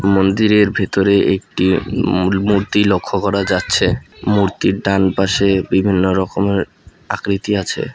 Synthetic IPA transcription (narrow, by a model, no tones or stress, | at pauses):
mond̪iɾeɾbʱet̪oɾeʔek̚ʈi | muɾt̪ilokʰːokɔɾad͡ʑatːɕʰemuɾt̪iɾɖanpaʃebibʱinːoɾɔkomeɾ | a̰kɾit̪iat͡ɕʰḛ